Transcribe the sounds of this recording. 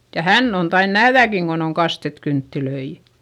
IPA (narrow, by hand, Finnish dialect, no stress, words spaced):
jɑ hænː on tɑin næhðækiŋ ɡ̊on on kɑstet kyntːiløi